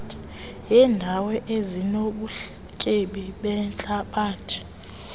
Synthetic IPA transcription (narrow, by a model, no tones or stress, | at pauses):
tʰʼ | jɛːndʱawɛʔezinoɓuɬ | kʼeɓiɓɛnt͡ɬʼaɓaːtʰi̥